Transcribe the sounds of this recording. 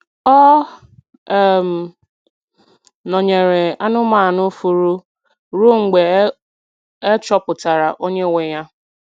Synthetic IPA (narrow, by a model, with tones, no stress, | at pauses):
ɔ˦˨ | m̩˨ | nɔ˨ɲe˨ɾe˨a˦nʊ˦maː˨nʊ˦fu˨ɾu˦ | ɾu˦ŋ̩˨ɡ͡be˨ | e˦t͡ʃɔ˦pʊ˨ta˨ɾa˨ʔo˦ɲe˦˨we˨ja˦